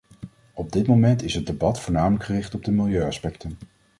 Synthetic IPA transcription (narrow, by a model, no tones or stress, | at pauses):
ɔb̚dɪtmomɛntɪsɦət̚debɑtfʊːɹnaːmələkχərɪχtɔb̚dəmɪlˠjøɥɑspɛktən